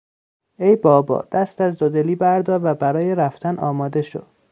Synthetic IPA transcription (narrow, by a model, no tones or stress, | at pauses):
ejbɒːbɒ̰ːd̪̥æst̪æzd̪od̪eliːbæɾd̪ɒːɾvæbæɾɒːjeɾæft̪ænʔɒːmɒːd̪e̞ʃo̰d̪̥